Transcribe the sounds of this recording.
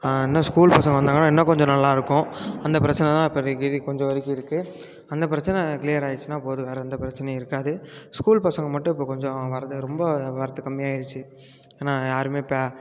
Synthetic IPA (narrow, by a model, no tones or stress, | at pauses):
ɛnːɐskuːlpɐsɐŋɡɐʋɐnd̪aːŋɡɐnãːɛnːɐkɔɲd͡ʒɔ̃nɐlːaːɪɾɯkːʊ̃ɐnd̪ɐpɪɾɐt͡ʃːɐnɛt̪ãːɪpːɐɡɪðikɔɲd͡ʒɔ̃ʋɐɾɪkːɯɪɾɯkːɯ | ɐnd̪ɐp̬ɪɾɐt͡ʃːɐnɛkɪlijɐɾaːjt͡ʃːɯnaːpoːðɯʋeːɾɛɐnd̪ɐpɪɾɐt͡ʃːɐnɛɪɾɯkːaːðɯskuːlpɐsɐŋɡɐmɐʈːʊ̃ɪpːoːkɔɲd͡ʒɔ̃ʋɐɾɐt̪ːɯɾɔmbɐʋɐɾɐt̪ːɯkɐmːɪjaːɪɾɯt͡ʃːɯ | eːnaːjaːɾɯmeːpaː